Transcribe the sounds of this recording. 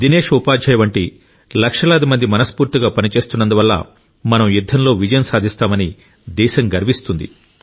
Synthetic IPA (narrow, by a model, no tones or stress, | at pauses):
d̪ine̞ːʂupaːd͡ʒʱɐjɐʋɐɳʈi | lɐkʂɐlɐːd̪imɐnd̪imɐnɐspuːɾt̪iɡaːpɐnit͡ʃe̞ːst̪unːɐnd̪uʋɐlːɐ̰ | mɐnɐmjud̪ʱːɐnlo̞ːʋid͡ʒɐjɐnsaːd̪ʱist̪aːmɐni | d̪ɛːʃɐŋɡɐɾʋist̪und̪ḭ